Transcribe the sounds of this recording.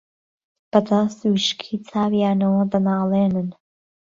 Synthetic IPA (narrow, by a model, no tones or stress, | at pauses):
b̥ɐd̪aswiʃkʰit͡sʰaːwijaːnɐwɐd̪ɐnaːleːnɨn